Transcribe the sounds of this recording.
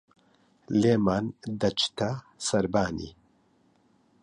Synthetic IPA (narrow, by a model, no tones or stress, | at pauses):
leːmaːnd̪ɐt͡ʃʰt̪ʰɐ | sɐɾbaːnḭ